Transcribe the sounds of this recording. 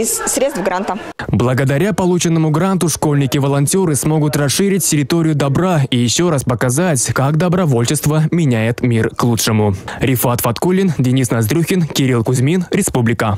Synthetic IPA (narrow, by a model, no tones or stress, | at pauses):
ɪssɾʲet̪st̪vɡɾant̪ə | blˠəɡəd̪ɐɾʲapɐlˠut͡ɕɪnːəmʊɡɾant̪ʊʂko̞lʲnʲɪkʲɪvəlˠɐnʲtʲoɾɨsmo̞ɡʊt̪rɐsʂɨɾʲɪtʲtʲːɪɾʲɪt̪o̞ɾʲɪjʊd̪ɐbɾaijɪɕːo̞raspəkɐzatʲkakd̪əbɾɐvo̞lʲt͡ɕɪst̪vəmʲɪnʲæjɪt̪mʲirklˠutʂɨmʊɾʲɪfat̪fɐt̪kulʲːɪndʲɪnʲisnɐzd̪ɾʲuxʲɪnkʲɪɾʲilˠkʊzʲmʲinɾʲɪspublʲɪkə